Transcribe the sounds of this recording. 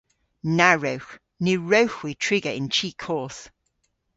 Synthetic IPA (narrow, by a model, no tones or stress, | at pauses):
naɹəʊ | nʉːɹəʊxwitʰɹ̥ɪɡəɪ̰̃nt͡ʃʰiːˑkʰɔˑθ